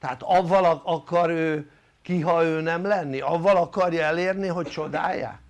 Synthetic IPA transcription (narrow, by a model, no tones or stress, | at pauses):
t̪ɛaːt̪ɒvːɒlɒɒkɒɾøː | kiɦɒøːnɛmlɛnːiɒvːɒlɒkɒrjɒɛleːrniɦo̞ct͡ʃo̞d̪a̰ːjːa̰ː